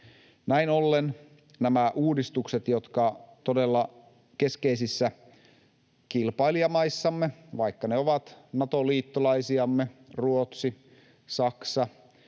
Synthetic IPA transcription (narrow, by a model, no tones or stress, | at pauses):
næinolːen | næmæʔuːdist̪ukset̪jot̪kɑt̪odelːɑ | ke̞ske̞isisːæ | kilpɑiliɑmɑisːɑmːeʋɑikːɑneoʋɑt̪nɑt̪oliːt̪ːolɑisiɑmːeruot̪si | sɑksɑ